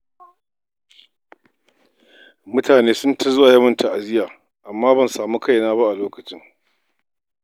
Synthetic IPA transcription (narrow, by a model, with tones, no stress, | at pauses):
mʊ˦tʰaː˨neː˦sʊ˦ntʰɐ˦zʊ˦wa˨jɐ˦mɐ˦˨ntʰa˨ʔa˨zɪ˦jaː˨ | ʔa˨mːaː˦bɐ˦˨nsaː˨mu˦kʰa˦jnaː˦ba˦ʔa˨loː˦kɐ˨t͡ʃɪ˦ŋ